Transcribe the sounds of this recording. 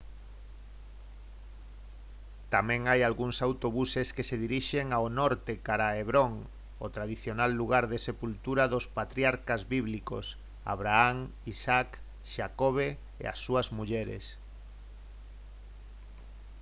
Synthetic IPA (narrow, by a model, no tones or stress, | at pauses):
t̪amɛ̃ŋajalɣuŋsawt̪oβ̞useskeseðiɾiʃeŋaonɔɾt̪ekaɾaeβɾoŋ | ot̪ɾað̞iθjonalːuɣaɾðesepult̪uɾaðospat̪ɾjaɾkazβiβliko̰s | a̰βɾaaŋisak | ʃakoβe | ḛa̰sːuazmuʎɛɾḛs